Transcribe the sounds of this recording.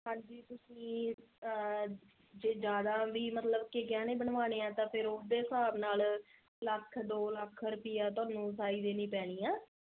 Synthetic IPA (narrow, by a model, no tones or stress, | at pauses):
ɦãːɲd͡ʒiːt̪ʊsĩː | d͡ʒeːd͡ʒjaːd̪aːʋiːmət̪ləbkɪɡɛːnẽːbəɳʋaːneːɛ̃ːt̪ãːpʰɪɾʊsd̪eːsaːbnaːl | ləkʰd̪oːləkʰɾʊpɪjaːt̪̬ʊãːnũːsaːiːd̪eːnĩːpɛːɽ̃iːaː